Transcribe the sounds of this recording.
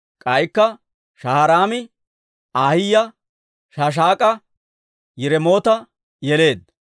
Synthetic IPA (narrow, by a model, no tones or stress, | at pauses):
kʼɐjkːɐ | ʃɐhɐɾaːmɪ | aːhɪjːɐ | ʃaːʃ̬aːkʼɐ | jɪɾɛmo̞ːt̪ɐ | jɛle̞ːd̪̚